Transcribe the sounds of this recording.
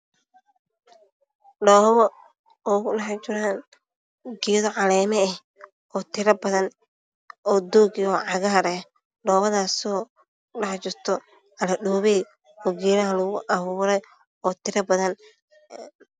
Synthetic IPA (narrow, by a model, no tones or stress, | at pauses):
ɖɔːβɔ | ɔːɣʊɖɑħt͡ʃɪɾaːn | ɡijðɔʕɑlɛːmɛɛh | ɔːt̪ʰɪɾɐbɐðɐn | ɔːd̪ɔːɡɔːʕɑɣɐɦɐɾɛ | ɖɔːβɐðaːsɔ | ɖɑħt͡ʃɪrt̪ʰɔ | ʕɑlɐɗuːβɛj | ɔːɡɛːɾɐɦɐlʊɣʊʔɐβuːɾɛj | ɔːt̪ʰɪɾɐbɐðɐn